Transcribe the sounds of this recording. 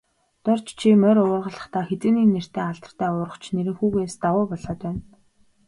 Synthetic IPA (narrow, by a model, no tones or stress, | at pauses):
t̪ʊr̥t͡ɕt͡ɕʰimœɾʊːrʁə̆ɮə̥̆χt̪aːxet͡sɘ̆niːnːer̥t̪eːaɮt̪ə̥̆r̥t̪ʰæːʊːɾə̆χt͡ɕʰneɾɘ̆ŋxuːɣeːst̪awʊːpɔɮɔːt̪pæːn